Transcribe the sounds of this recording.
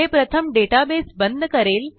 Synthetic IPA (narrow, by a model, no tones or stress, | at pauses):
eːpɾət̪ʰəmɖeʈaːbeːsbənd̪ʱəkəɾeːl